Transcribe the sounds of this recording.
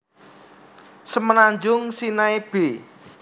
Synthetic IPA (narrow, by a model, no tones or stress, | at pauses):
səmənaɲd͡ʒʊŋsinaeb̥e